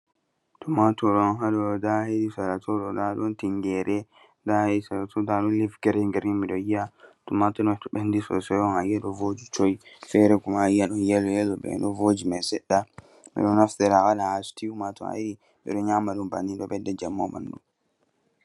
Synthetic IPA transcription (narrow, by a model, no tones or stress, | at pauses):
tumatɔɗɔnɦaɗɔdahedisaɾatʰɔɗɔdaɗɔntiŋɡɛɾɛ | daheisaɾatʰɔdaɗɔnlifɡɛɾɛŋɡɛɾimiɗɔjiatumatɔnɔtɔɓɛndisɔ̰sɛjɔnajaɗɔvod͡ʒit͡ʃɔjfɛɾɛkumaajaɗɔnjɛlɔjɛlɔbɛ̰ɗɔvod͡ʒimasɛɗːa | mḭɗɔnaftɛɾaalahasu̥tiumatɔ̰ha̰iɾi | mḭɗɔɲaːmaɗumba̰nːiɗɔbɛdːɛd͡ʒamːɔ̰ma̰ndṵ